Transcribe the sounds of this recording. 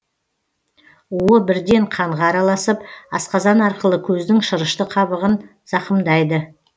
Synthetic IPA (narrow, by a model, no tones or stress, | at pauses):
uwəbɪɾd̪e̞ɴqʰɑɴʁɑːɾɑlˠɑsəpɑ̰sqɑzɑnɑɾqəlˠəkʲʰɵzd̪ɪŋʃəɾəʃt̪əqʰɑβəʁən | z̥ɑqəmd̪ɑjd̪ə